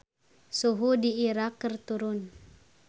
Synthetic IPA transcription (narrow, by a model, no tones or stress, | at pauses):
suɦudiiɾakːərt̪uɾʊn